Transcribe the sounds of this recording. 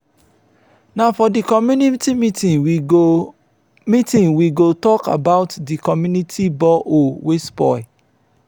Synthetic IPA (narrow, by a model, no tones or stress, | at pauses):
nãfɔdikɔmjunitimitĩn | mitĩnwiɡotɔka̰baʊtdikɔmjunitʰibɔʔowespɔ̰ɪ